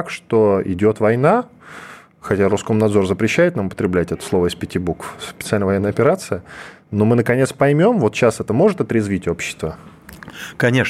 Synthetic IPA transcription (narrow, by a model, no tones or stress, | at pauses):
kʂt̪oɪ̰dʲo̞t̪vɐjna | xɐtʲaɾuskomnɐd̪zo̞rzəpɾʲɪɕːæjɪt̪namʊpə̥t̪ɾʲɪblʲætʲɛt̪ə̥slˠo̞vəispʲɪtʲɪbukfspʲɪt̪sɨalʲnəvɐjenːjəɐpʲɪɾat̪sɨjə | nomɨnəkɐnʲe̞t̪spɐjmʲo̞mvo̞t̪ɕasɛt̪əmo̞ʐɨt̪ɐt̪ɾʲɪzvʲitʲo̞pɕːɪ̥st̪və | kɐnʲe